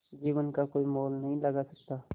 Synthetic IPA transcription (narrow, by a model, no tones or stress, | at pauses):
d͡ʒiːʋənkakoːimoːlnəɦĩlɐɡasɐkt̪aː